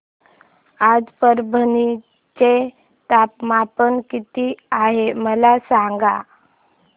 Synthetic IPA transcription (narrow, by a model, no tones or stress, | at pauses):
ad͡zpəɾbʱəni | t͡ɕe | t̪apmapənkit̪iaɦeməlasaŋɡa